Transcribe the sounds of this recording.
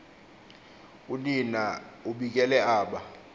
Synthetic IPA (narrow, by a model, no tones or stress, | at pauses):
uninauɓik̬ʼɛlɛaːɓa